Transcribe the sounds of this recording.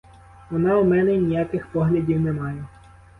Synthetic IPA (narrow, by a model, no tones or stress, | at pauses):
ʋɔnɑumɛnɛnʲijakɪxpɔɦlʲɐdʲiwnɛmɑjɛ